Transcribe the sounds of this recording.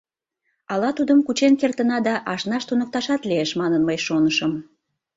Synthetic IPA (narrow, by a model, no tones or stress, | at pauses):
ɑlɑt̪ud̪əmkut͡ɕenkert̪ənɑd̪ɑʔɑʃnɑʃt̪unək̚t̪ɑʃɑt̪leeʃmɑnənməjʃonəʃəm